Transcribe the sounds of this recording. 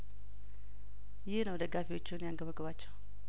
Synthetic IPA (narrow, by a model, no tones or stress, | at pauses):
jɪhnəwd̪əɡafiwo̞t͡ʃːɪnjaŋɡəβəɡɨβat͡ʃːɛw